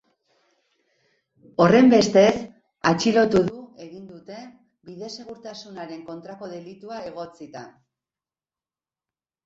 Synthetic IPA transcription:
o̞re̞mbe̞st̪e̞s | at͡ʃilo̞t̪uðue̞ɣind̪ut̪e̞ | biðe̞se̞ɣ̞uɾt̪asunaɾe̞ŋko̞nt̪ɾako̞ð̞e̞lit̪uae̞ɣ̞o̞t͡sit̪a

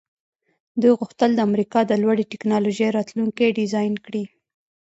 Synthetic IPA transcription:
d̪ujɣʊxt̪əld̪əamɾikɑd̪əlwaɽeʈɪknɑloʒejɾɑt̪luŋkeɖɪzɑjnkɽi

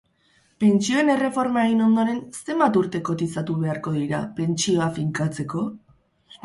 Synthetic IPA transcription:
pe̞nt͡ʃio̞e̞ne̞re̞fo̞ɾmaeɣino̞nd̪o̞ɾe̞nst̪e̞mbat̪uɾt̪e̞ko̞t̪isat̪uβ̞e̞aɾko̞ðiɾa̰pe̞nt͡ʃio̞afiŋkat͡se̞ko̞

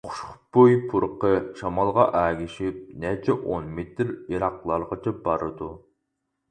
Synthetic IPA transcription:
χʰʊ̥ʃχʊ̥bojpʰuɾqəʃɑmɑlˠʁɑʔæːɡʲiʃip̚nɛt͡ʃʰɛʔonmet̪ɾiɾɑqlˠɑɾʁət͡ʃʰɛbɑɾɨd̪u

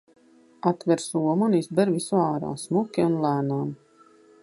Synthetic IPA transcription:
at̪vɛɾsuɔmunizbɛɾvisuaːɾa̰ːsmukʲiunlˠæːnaːm

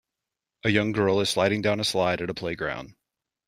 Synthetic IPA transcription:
ʔɨjʌ̃ŋɡɜ˞lˠɨz̥slaɪɾɪ̃ŋdãʊ̃nəslaɪɾɨɾəpʰl̥eɪɡɹã̰ʊ̃nd̥

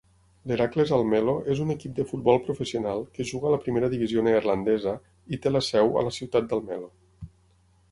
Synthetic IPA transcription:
leɾaklezalˠmeloʔezunəkip̚d̪əfut̪̚bɔlˠpɾufəsiunalˠkəʒuɣəːləpɾimeɾəðiβizioneːrlənd̪ɛzə | it̪eləsɛwə̰ləsiwt̪at̪̚d̪alˠmɛlo

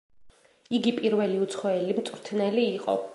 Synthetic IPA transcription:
iɡipʼiɾvɛliut̪sʰχɔɛlimt̪sʼɾt̪ʰnɛliːqʼɔ̰

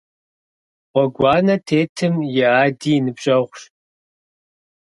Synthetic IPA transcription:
ʁʷɔɡʷɑːnɐtʰeːtʰɨmjɛaːdiːnɨbɕʼɐʁʷʂ

